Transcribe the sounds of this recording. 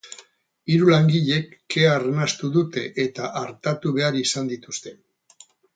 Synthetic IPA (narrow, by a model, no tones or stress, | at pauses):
iɾulaŋɡiʎe̞kːe̞arnast̪uðut̪e̞ʔet̪aʔaɾt̪at̪uβe̞aɾisand̪it̪ust̪e̞